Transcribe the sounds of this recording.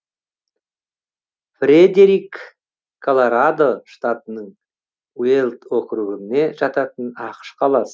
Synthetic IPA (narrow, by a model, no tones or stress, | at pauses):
frʲed̪eɾikʰː | olˠoɾad̪o̞ʃt̪at̪ənəɴ | welˠt̪wo̞qɾuʁəne̞ʒɑt̪ɑt̪ənɑqə̥ʃqʰɑlˠɑsə